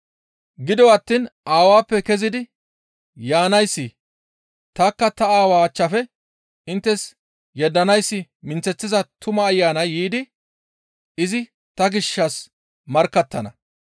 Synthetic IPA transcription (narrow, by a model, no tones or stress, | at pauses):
ɡɪd̪ɔwɐt̪ːiːnaːwaːpːɛkɛzɪd̪ɪ | jaːnɐjsːɪ | t̪ɐkːɐt̪ɐaːwaːt͡ʃːɐfɛ | ɪnt̪ːɛs | jɛd̪ːɐnɐjsːɪmɪnt͡sːɛt͡sːɪzɐt̪ʊmɐːjːaːnɐjːiːd̪ɪ | ɪzɪ | t̪ɐɡɪʃːɐs | mɐɾkːɐt̪ːɐnɐ̰